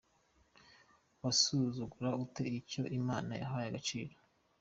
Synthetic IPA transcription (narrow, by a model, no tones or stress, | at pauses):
wasuzuɡuɾaute̞ico̞ʔimaːna̰ja̰ɦajaɡat͡ʃiːɾo